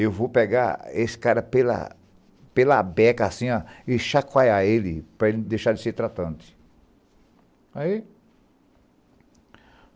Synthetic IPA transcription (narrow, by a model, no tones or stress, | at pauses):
ewvowpɛɡaesɪ̥kaɾɐpelɐ̰ | pelɐabɛkɐasĩaɪʃakwajaelɪpɾɐelɪd̪ejʃaɾd͡ʒ̪ɪseɾt̪ɾat̪ɐ̃nt̪ɪ̥ | ai